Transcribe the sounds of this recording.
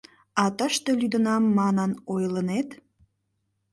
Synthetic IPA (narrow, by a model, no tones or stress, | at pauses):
ɑt̪əʃt̪e̽lyd̪ənɑmːɑnənojlənet̪